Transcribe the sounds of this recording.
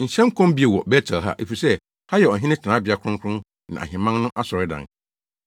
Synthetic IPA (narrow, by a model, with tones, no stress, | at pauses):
n̩˨ɕɛ̃˦m˦kʰɔ̃˦mbi˦e˨wɔ˨bɛ˦tʰa˨ɦa̰˦ʔe˨fi˨sɛ˦ | ha˦jɛ˨ɔ˨ɦɪ̃˦nɪ̃˦tʰnãː˨˦bɪ˨a˨kʰɾʊ̃˦ŋkʰɾʊ̃˦n | nã̰˨ʔa̰˨ɦɪ̃˨mã˦nnʊ̃˦ʔa˦sɔ˨ɾɪ˦dã̰˨n